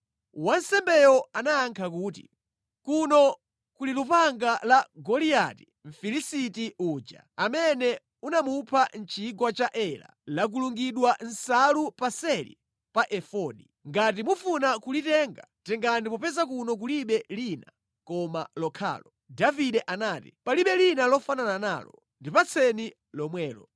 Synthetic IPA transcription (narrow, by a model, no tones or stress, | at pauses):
wansɛmbɛjɔanaːŋkʰak̬uːtḭ | kunɔ | kulilupaŋɡalaɡɔlia̰ti | m̩filisitiuːd͡ʒa̰ | amɛnɛ | unamupʰan̩t͡ʃʰiɡwat͡ʃaʔɛla̰lak̬uluŋɡiɗwan̩salupasɛlḭ | paʔɛfɔɗi | ŋɡat̬imufunakulitɛːŋɡatɛŋɡandip̬ɔpɛzak̬unɔk̬uliɓɛlina | kɔma̰lɔkʰa̰ːlɔ | daviɗɛʔanaːtipaliɓɛlinalɔfananana̰ːlɔ̰ | ndipat͡sʰɛni | lɔmwɛːlɔ